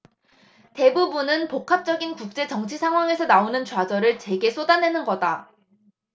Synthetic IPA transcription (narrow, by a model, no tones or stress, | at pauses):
te̞bubunɯnpokʰap̚t͡ɕ͈ʌɡinkuk̚t͡ɕ͈e̞t͡ɕʌŋt͡ɕʰisʰaŋɦwaŋe̞sʰʌnaonɯnt͡ɕwad͡ʑʌɾɯɭt͡ɕe̞ɡe̞s͈ʰodanɦe̞nɯnɡʌda